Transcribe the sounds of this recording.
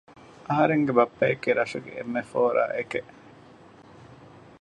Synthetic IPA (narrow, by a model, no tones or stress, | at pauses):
ʔɐɦɐɾeŋɡebɐpːɐjekːiɾɐʂuɡḛʔḛmːefoːɾa̰ːʔekeʔ